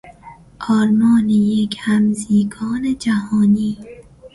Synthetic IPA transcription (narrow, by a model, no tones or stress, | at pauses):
ʔɒːɾmɒːnejekʰhæmziːɡʰɒːned͡ʒæhɒːniː